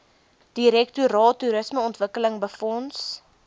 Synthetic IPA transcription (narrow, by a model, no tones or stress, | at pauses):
d̥iɾɛktuɾɑːtːuɾəsməɔntvəkələŋbəfɔns